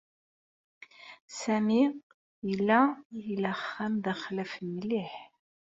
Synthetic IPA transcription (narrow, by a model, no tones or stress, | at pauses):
sæmi | ilːæjələχːæmðəχlæfənːliħ